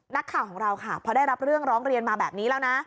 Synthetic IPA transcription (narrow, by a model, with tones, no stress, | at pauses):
na˦˥kʰːaː˨˩wʰkɔː˩˦ŋɾa˧wkʰa˥˩pʰɔ˧daː˥˩jɾa˦˥p̚ɾɯ˥˩əŋɾɔː˦˥ŋɾi˧ənmaː˧bɛː˨˩p̚niː˦˥lɛː˦˥wna˦˥